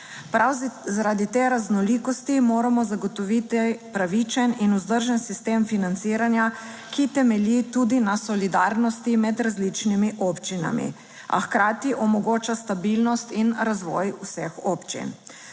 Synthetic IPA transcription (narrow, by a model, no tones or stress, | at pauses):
pazaɾad̪it̪eːɾaznɔlikɔst̪imoːɾamɔzaɡɔt̪ɔʋit̪ipɾaʋit͡ʃɛninuzd̪əɾʒɛnsist̪eːmfinant̪siːɾanja | kit̪ɛmɛlit̪ud̪inasɔlid̪aɾnɔst̪imɛd̪ɾazlit͡ʃnimiʔopt͡ʃina̰mḭ | a̰xkɾaːt̪iʔɔmɔɡoːt͡ʃast̪abilnɔst̪inɾazʋɔ̰jusɛxopt͡ʃḭn